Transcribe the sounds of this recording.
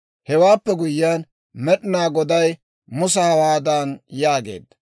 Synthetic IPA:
hɛwaːpːɛɡʊjːaːn | mɛɗɪnaːɡɔd̪ɐj | mʊsɐhɐwaːd̪anjaːɡe̞̰ːd̪ːɐ̥

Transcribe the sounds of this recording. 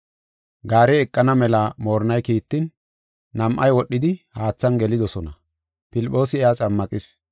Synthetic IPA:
ɡaːɾɛːkʼːɐnɐmɛlɐmo̞ːɾnɐjkiːt̪ːɪnː | ɐmʔɐjwɔɗːɪd̪ɪhaːt͡sːɐnɡɛlɪd̪ɔsɔnɐ | pɪlɪpʼːo̞ːsɪɛat͡sʼɐmːɐkʼɪs

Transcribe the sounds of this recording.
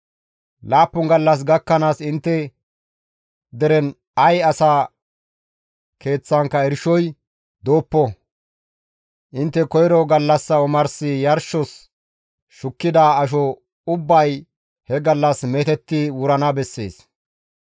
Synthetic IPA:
laːpːʊŋɡɐlːɐs̬ɡɐkːɐnaːsɪnt̪ːɛ | d̪ɛɾɛn | ɐjɐsaː | kʰe̞ːt͡sːɐŋkːɐɛɾʃɔj | d̪oːpːɔ | ʔɪnt̪ːɛkɔjɾɔɡɐlːɐsːɐɔmɐɾsɪjɐɾʃɔs | ʃʊkːɪd̪aːɐʃ̬ɔ | ʊbːɐj | hɛɡɐlːɐsmet̪ɛt̪ːɪwʊɾɐnɐbɛsːe̞ːs

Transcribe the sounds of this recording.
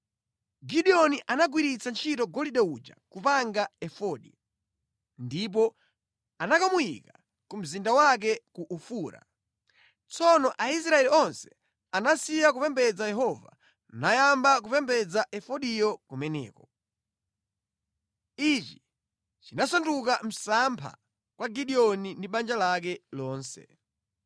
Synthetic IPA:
ɡiɗiɔniʔanaɡwiɾit͡sant͡ʃʰitɔɡɔliɗɛud͡ʒa̰kupaŋɡaɛfɔɗḭ | ndip̬ɔ | anakamujḭka | kum̩zindawak̬ɛkuʔufuːɾa̰ | t͡sɔnɔʔais̬ɾaɛliɔnsɛ̥ | anasijak̬upɛmbɛd͡zajɛɦɔva̰ | najambak̬upɛmbɛd͡zaʔɛfɔɗijɔkumɛnɛ̰ːkɔ | it͡ʃi̥ | t͡ʃinasɔntuk̬am̩sampʰa̰ | kwaɡiɗiɔnindiɓand͡ʒalak̬ɛlɔːnsɛ̰

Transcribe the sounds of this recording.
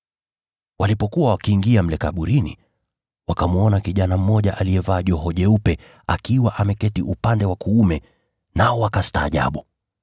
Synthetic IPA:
walipɔkuwawakiːŋɡiam̩lɛkaɓuɾinḭ | wakamuɔnakiʄanam̩mɔʄaʔalijɛvaːʄɔɦɔʄɛupɛ | akiwaʔamɛkɛtiʔupandɛwakuumɛ | naɔwakasta̰ːʄa̰ɓu

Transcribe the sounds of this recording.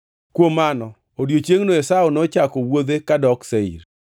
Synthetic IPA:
kwomanɔ | odjot͡ʃjeŋnoesaɔnɔt͡ʃakɔwod̪ekadɔkseḭɾ

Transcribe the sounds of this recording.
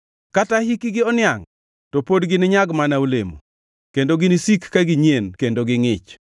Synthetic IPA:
katahikɪɡɪɔnɪaŋ | topodɡɪnɪɲaɡmanaulemo̰ | kendoɡɪnisikːaɡɪɲenkendoɡɪŋɪt͡ʃ

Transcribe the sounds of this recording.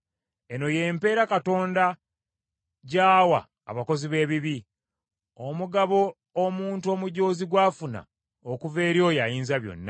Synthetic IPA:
e̞no̞je̞ːmpe̞ːɾakato̞ːnda | ɟaːwa̰ː | βako̞ziβe̞ːβiβi | omuɡaβo̞ː | muːntuo̞ːmuɟo̞ːziɡwaːfuna̰ | okuve̞ːɾjo̞jajiːnzaβjo̞̰nːa

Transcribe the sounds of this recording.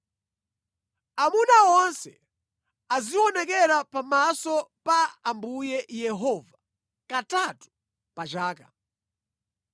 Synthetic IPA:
amunawɔnsɛ | aziwɔnɛkɛɾapamasɔpaːmbujɛjɛɦɔva | katatu̥ | pat͡ʃaːka

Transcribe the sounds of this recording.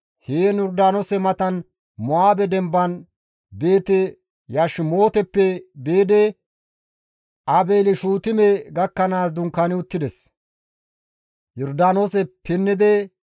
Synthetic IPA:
heːnjɔɾd̪aːnosɛmɐt̪ɐn | mɔaːbɛd̪ɛmbːɐn | be̞ːt̪ɛ | jaʃmo̞ːt̪ɛpːɛbeːd̪ɛ | ʔɐbeːlɪʃuːt̪ɪmɛɡɐkːɐnaːsd̪ʊŋkːanɪʊt̪ːɪd̪ɛs | jɔɾd̪aːnoːsɛpɪnːɪd̪ɛ

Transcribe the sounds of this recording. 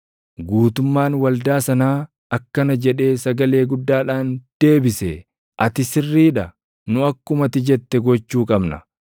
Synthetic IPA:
ɡuːt̪ʊmːaːnwɐld̪aːsɐnaː | ɐkːɐnɐd͡ʒɛᶑe̞ːsɐɡɐle̞ːɡʊd̪ːaːᶑaːnd̪̥e̞ːbɪsɛ | ʔɐt̪ɪsɪrːiːᶑɐ | nʊɐkːʊmɐt̪ɪd͡ʒɛt̪ːɛɡɔt͡ʃːuːkʼɐbnɐ̰

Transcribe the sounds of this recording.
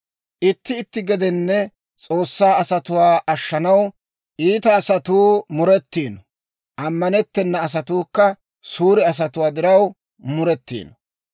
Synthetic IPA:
ʔɪt̪ːɪːt̪ːɪɡɛd̪ɛnːɛ | t͡sʼo̞ːsːaːɐsɐt̪ʊwaːʔɐʃːɐnɐw | ʔiːt̪ɐːsɐt̪uːmʊɾɛt̪ːiːnɔ | ʔɐmːɐnɛt̪ːɛnːɐːs̬ɐt̪uːkːɐ | suːɾɪɐs̬ɐt̪ʊwaːd̪ɪɾɐw | mʊɾɛt̪ːḭːnɔ

